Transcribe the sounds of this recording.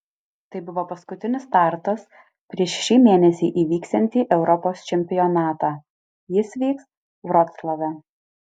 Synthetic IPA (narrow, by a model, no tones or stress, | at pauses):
t̪ɐɪbʊʋoːpɐskʊt̪ʲɪnʲɪst̪ɑˑɾt̪ɐs | pʲɾʲiɛʃʃʲiːmʲeːnʲɛsʲiːʔiːʋʲiːksʲt̪ʲɛnʲt̪ʲiːʔɛʊɾɔpoːst͡ʃʲɛmʲpʲɪjɔnɑːt̪ɑː | jɪsʋʲiːks | ʋɾɔt̪slˠoʋʲɛ